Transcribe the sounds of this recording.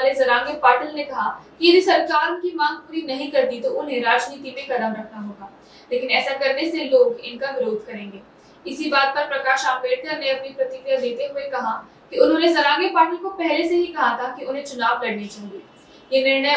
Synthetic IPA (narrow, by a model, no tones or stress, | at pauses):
alezɐɾãːŋɡepaːʈəlnekɐɦakijɐd̪ʱisɐɾkaːɾnkimãːŋɡ̚puːɾinɐɦĩkɐɾd̪it̪oʔʊnɦẽɾaːd͡ʒniːt̪imẽkɐd̪əmɾɐkʰnaɦoːɡaː | leːkɪnɛːsakɐɾneseloːɡɪnkaʋɪɾoːd̪ʱkɐɾẽːŋɡeː | ɪsibaːd̪̚pɐɾpɾɐkaːʃaːbeːɽkɐɾneɐpnipɾɐt̪ɪkɾjad̪eːt̪eɦʊekɐɦa | kiʊnɦõːnezɐɾãːŋɡepaːʈəlkopɛɦleseɦikɐɦat̪ʰakiʊnɦẽt͡ʃʊnaːʋlɐɽnit͡ʃaːɦieː | jenɪɾnə